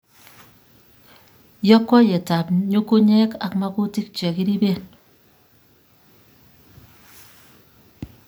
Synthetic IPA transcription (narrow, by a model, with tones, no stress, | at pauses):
jɔ˦kwɔ˦jɛ˨ta˨pɲo˦ko˦ɲɛ˦ka˨kma˦ku˦ti˦k̚t͡ʃɛ˨ki˦ɾi˦be˦˨n